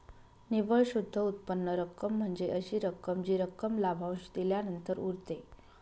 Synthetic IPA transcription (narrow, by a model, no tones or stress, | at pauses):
niʋəɭɕud̪ʱːəut̪̚pənːəɾəkːəm̤ːəɳd͡zeʔəɕiːɾəkːəmd͡ʑiːɾəkːəmlabʱaw̃ɕd̪iljanənt̪əɾuɾt̪e